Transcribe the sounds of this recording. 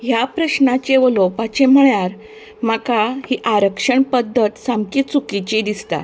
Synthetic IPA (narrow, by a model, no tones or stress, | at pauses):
ɦjapɾəɕnat͡ɕeʋəlopat͡ɕem̤əɭjaɾ | makahiʔaɾəkʂəɳpəd̪ʱːət̪samkiːt̪t͡sukit͡ɕid̪ist̪a̰